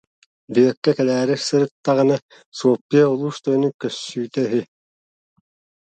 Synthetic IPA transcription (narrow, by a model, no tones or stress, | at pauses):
b̪ijɛkːɛkɛlæːɾiɾsɯɾɯt̪ːaʁĭna | suɔpːiɐulˠuːʃt̪œnykːœsːyːt̪œɦi